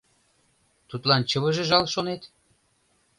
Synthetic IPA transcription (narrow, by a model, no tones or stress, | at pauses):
t̪ut̪lɑnt͡ɕə̆βə̆ʒĕʒɑlʃonet̪